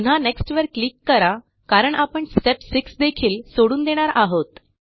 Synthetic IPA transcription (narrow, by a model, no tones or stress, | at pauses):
un̤aneksʈʋəɾklikːəɾa | kaɾəɳʔapəɳsʈepsiksd̪ekʰiːlsoɽuːnd̪eɽ̃aɾaɦot̪